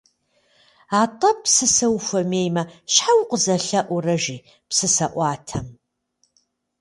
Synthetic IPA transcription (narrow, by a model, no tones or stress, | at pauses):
aːtʼɐpsɨsɐwfʷɐmeːjmɐʃħawqʷʼəzɐɬɐʔʷʊrɐʒiː | psɨsɐʔʷɑːtʰɐm